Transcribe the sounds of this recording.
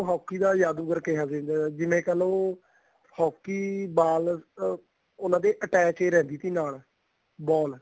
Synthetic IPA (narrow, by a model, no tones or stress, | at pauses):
oɦɔːkːiːd̪aːjaːd̪uːɡəɾkeɦaːzẽːnd̪aːd͡ʒɪmẽːkɛlõː | hɔːkːiːbaːl | ʊnãːd̪eːʔəʈɛːt͡ʃeːɾɛ̃ːnd̪iːt̪iːnaːl | bɔːl